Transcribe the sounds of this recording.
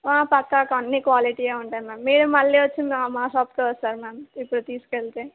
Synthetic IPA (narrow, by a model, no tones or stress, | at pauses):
ʋaːpɐkːɐkɐnːikʋaːliʈiːeːuɳʈaːnimaːmːiːɽumɐɭːiːʋɐt͡ʃːind̪maːʃaːpkoʋɐst̪aːɾmaːmipːuɽut̪iːsu̥keɭt̪eː